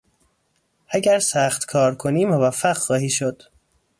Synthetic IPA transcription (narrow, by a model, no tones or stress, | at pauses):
ʔæɟæɾsæxt̪kʰɒːɾkʰoniːmovæfːæɢxɒːhiːʃod̪̥